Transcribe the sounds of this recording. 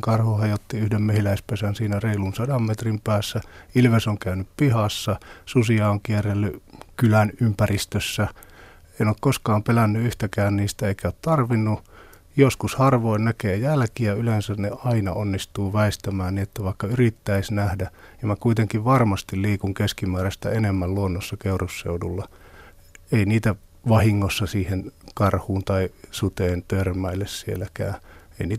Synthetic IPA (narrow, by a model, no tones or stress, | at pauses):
kɑrhuhɑjot̪ːiyhdemmehilæispesænsiːnæreilunsɑdɑmmet̪rimpæːsːæilʋesoŋkæynyppihɑsːɑsusiɑoŋkierelːykylænympærist̪øsːæ | enoːkkoskɑːmpelænːyyht̪ækæːnniːst̪æeikæoːt̪t̪ɑrʋinːu | joskushɑrʋoinnækeːjælkiæylensænneɑinɑonːist̪uːʋæist̪æmæːnniːet̪ːæʋɑˑikːɑyrit̪ːæisnæhdæ | jɑmækuit̪eŋkiʋʋɑrmɑst̪illiːkuŋkeskimæːræst̪æenemːælluonːosːɑkeurusːḛudulːɑ | einiːt̪æ | ʋɑhiŋːosːɑsiːhenkɑrhuːnt̪ɑisut̪eːnt̪ørmæilːessiḛlːækæ̰ːeiniː